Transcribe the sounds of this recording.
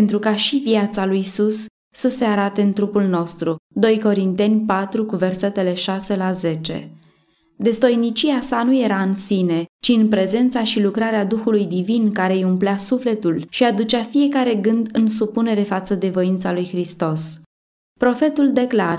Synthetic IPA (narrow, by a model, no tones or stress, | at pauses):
ent̪ɾukaʃiviat̪salujsusː | əse̞aɾat̪e̞ɨnt̪ɾupulno̞st̪ɾud̪o̞jko̞ɾint̪e̞nʲpat̪ɾukuve̞rse̞t̪e̞le̞ʃase̞laze̞t͡ʃe̞̰ | d̪e̞st̪o̞jnit͡ʃiasanuje̞ɾaɨnsine̞t͡ʃiɨnpɾe̞ze̞nt̪saʃilukɾaɾead̪uxulujd̪ivinkaɾe̞jumpleasufle̞t̪ulʃiad̪ut͡ʃafije̞kaɾe̞ɡɨnd̪ɨnsupune̞ɾe̞fat̪səd̪e̞vo̞int̪salujxɾist̪o̞s | pɾo̞fe̞t̪uld̪e̞klar